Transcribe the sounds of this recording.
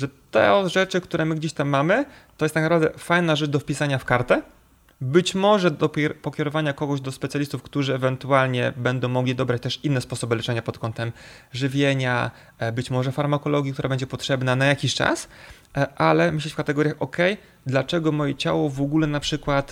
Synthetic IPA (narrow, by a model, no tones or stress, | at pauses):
ʐɛt̪ɛ̰ɔʐɛt͡ʂɘkt̪uɾɛmɘɡd͡ʑeɕt̪amːamɘt̪ɔjɛst̪aknapɾavd̪ɛ̰fajnaʐɛt͡ʂd̪ɔfpʲisaɲafkaɾt̪ɛ | bɘt͡ɕmɔʐɛd̪ɔpɾpɔkʲɛɾɔvaɲakɔɡɔʑd̪ɔspɛt̪sʲjalʲist̪ufkt̪uʐɘɛvɛnt̪ualɲɛbɛnd̪ɔ̃w̃mɔɡlʲid̪ɔbɾat͡ɕt̪ɛʂinːɛspɔsɔbɘlɛt͡ʂɛɲapɔt̪kʰɔnt̪ɛmʐɘvʲjeɲa | bɘt͡ɕmɔʐɛfaɾmakɔlɔɡʲjikt̪uɾabɛɲd͡ʑɛpɔtʂɛbnanajakʲiɕt͡ʂa̰s | ʔalɛmɘɕlɛt͡ɕʲfkat̪ɛɡɔɾʲjaxʔɔkɛj | d̪lat͡ʂɛɡɔmɔjɛt͡ɕa̰wɔvɔɡulɛnapʂɘkwat̪